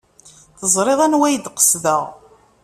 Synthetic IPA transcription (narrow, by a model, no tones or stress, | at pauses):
θəzˤɾˤeðˤænwæjd̪qə̥sðəʁ